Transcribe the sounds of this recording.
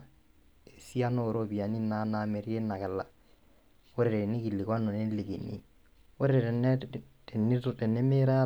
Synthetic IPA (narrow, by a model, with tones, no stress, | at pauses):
e˨si˦a˦no˦˨ɾo˦bi˨a˨ni˦na˦na˨mɛ˨ɾi˦e˦nːa˨kɛ˨lːa˨ | o˦ɾɛ˨ɾɛ˨ni˦ki˨lːi˨kwa˦nːɔ˨ne˦li˨ki˨nːḭ˦ | o˦ɾɛ˦ɾɛ˨ɾɛ˨nɛ˦ | tɛ˨nːɪ˦tɛ˨nːɛ˦me˦ɾa˦a˦